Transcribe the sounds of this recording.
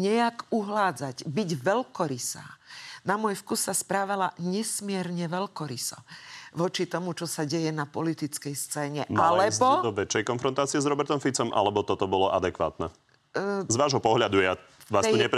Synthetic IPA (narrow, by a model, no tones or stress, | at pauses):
ɲɛakuɦlaːd͡zaɟbiɟʋɛlkɔɾisa̰ːnamʊɔjfkusːaspɾaːʋalaɲɛsmɪɛɾɲɛʋɛlkɔɾisɔ̰ʋɔt͡ʃit̪ɔmut͡ʃɔsaɟɛjɛnapɔlit̪it͡skɛjst͡sɛːɲɛmalɛbɔd̪ɔʋɛt͡ʃːɛjkɔnfɾɔnt̪aːt͡sɪɛzɾɔbɛɾt̪ɔmfit͡sɔmʔa̰lɛbɔt̪ɔt̪ɔbɔlɔʔad̪ɛkʋa̰ːt̪nɛ̰ | zʋaːʒɦɔpɔɦʎad̪uja | ʋaːst̪ɔɲɛp